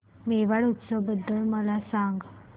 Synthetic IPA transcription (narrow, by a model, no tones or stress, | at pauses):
meʋaɽut̪səʋbəd̪ːəlməlasaŋɡ